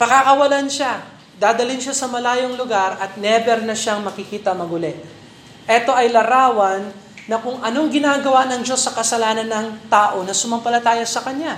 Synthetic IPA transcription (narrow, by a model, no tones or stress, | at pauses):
pɐkakɐwɐlanʃa | d̪aːd̪ɐlɪnʃasɐmɐlaːjo̞ŋlʊɡaɾɐt̪̚nɛbɛɾnɐʃaŋmɐkɪkiːt̪ɐmɐɡʊlɛ | ʔɛt̪o̞ʔɐjlɐɾaːwɐnː | ɐkʊŋʔɐno̞ŋɡɪnaːɡɐwanɐŋd͡ʒo̞sːɐkɐsɐlaːnɐnːɐŋt̪aːʔo̞nɐsʊmɐmpɐlɐt̪aːjɐsɐkɐɲja